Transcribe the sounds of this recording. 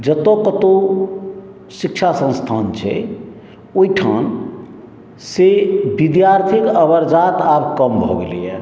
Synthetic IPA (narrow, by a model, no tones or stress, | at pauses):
d͡ʒət̪okət̪o | sikt͡ʃʰasə̃nst̪ʰant͡ʃʰɛ̰ | oiʈʰa̰n | sebid̪jaɾt̪ʰikəbəɾd͡ʒat̪abkəmbʱɔ̰ɡelḭjɛ̰